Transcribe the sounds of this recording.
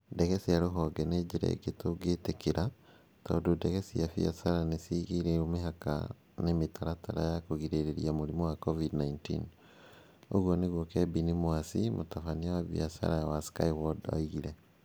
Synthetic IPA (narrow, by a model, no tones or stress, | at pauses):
dɛɣɛsiaɾoɦɔɡɛned͡ʒeɾɛ̰ɡetoɡetekeɾʔa | tɔ̰dodɛɣɛsiafḭasaɾanesiɣiɾeomeɦaka̰ | nemetʰaɾatʰaɾajakoɣiɾeɾeɾḭamoɾimɔwakɔvidnaintḭn | o̰ɣwɔneɣwokɛbinimwasimʔotafaniawaβiasa̰ɾawaska̰iwɔda̰iɣiɾɛ